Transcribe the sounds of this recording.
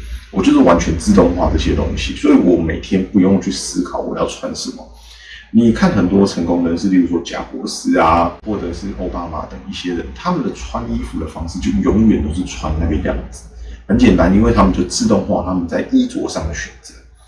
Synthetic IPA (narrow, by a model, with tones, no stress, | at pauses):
wʔɔ˨˩t͡ɕo˥ʊʂɻ̩˥˩wa˧˦nt͡ɕʰɥɛ˧˦nt͡sɹ̩˥˧t̪ʊ˥˧ŋxwa̰˥˧t͡sɤ˥˩ɕjɛ˥t̪o̰˥ŋɕḭ˨swɔ˧˥i˨˥wɔ˨˩me˨˩ɪt̪ʰjɛ˦npu˥˧jo˥˧ŋjo˥˧˩t͡ɕʰy˥˩sɹ̩˥kʰɑ˨˦ʊw̰jɑ˥˩ʊt͡sʰwa˦nʂ̩˥˩mɑ̰˨˩ŋ | ni˨˩kʰa˥˩nxə˨˩nt̪wɔ˥t͡sʰə˧˥ŋkʊ˥ŋd̪ə˨˩ʂɻ̩˥˧pi˥˩u˧˥swɔ˥t͡ɕja̰˨˥kwɔ˧˥sɹ̩˥a˨˩xwɔ˥˩ʈ͡ʂə˨˩ʂɻ̩˥˩ʔo˥˩ʊpa˥ma̰˨˩t̪ə˨˩ŋi˥˩ɕjɛ˥ɻə˧˦nt̪ʰa˥mə˨nd̪ə˩t͡sʰwa˦˥ni˥fu˨˧˥d̪ə˨fɑ˥ŋʂɻ̩˥˩t͡ɕjo˥˩˧jɔ˧˥ŋɥɛ˨˩nt̪o˥ʊʂ̬̩˥˩t͡sʰwa̰˥na˥˩ə˧ljɑ̰˥˩ŋd͡zɹ̩˨˩hə˧˦nt͡ɕjɛ˨˩nt̪a˦ni˥nwe˥˩ɪt̪ʰa˥mə˨t͡ɕo˥˧˩t͡sɹ̩˥˧t̪ʊ˥˧ŋxwa̰˥˨t̪ʰa˥mə˨nt͡sa˥˩ɪʔi˥t͡swɔ̰˧˩ʂɑ˥˩ŋd̪ə˩ɕɥɛ˨˩nt͡sə˨˧˦